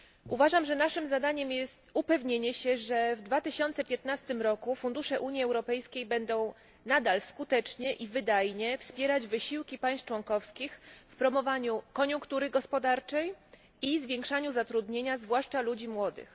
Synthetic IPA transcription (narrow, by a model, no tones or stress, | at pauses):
ʔuvaʐamʐɛnaʂɘmzad̪aɲɛmjɛst̪upɛvɲeɲɛɕɛʐɛvd̪vat̪ɘɕɔnt̪sɛpʲjɛt̪nast̪ɘmɾɔkufund̪uʂɛʔuɲjiɛwɾɔpɛjskʲejbɛnd̪ɔ̃w̃ | nad̪alskut̪ɛt͡ʂɲɛʔivɘd̪ajɲɛfspʲjɛɾad͡ʑvɘɕiwkʲipaj̃st͡ʂwɔŋkɔfskʲixfpɾɔmɔvaɲukɔɲũŋkt̪uɾɘɡɔspɔd̪aɾt͡ʂɛj | izvʲjẽŋkʂaɲuzat̪ɾud̪ɲeɲazvwaʂt͡ʂalud͡ʑimwɔd̪ɘ̰x